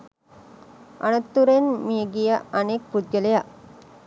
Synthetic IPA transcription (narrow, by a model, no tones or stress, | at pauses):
ʔɐ̰nɐt̪ːuɾenmieɡijəɐnek̚pud̪̚ɡəlejaʔ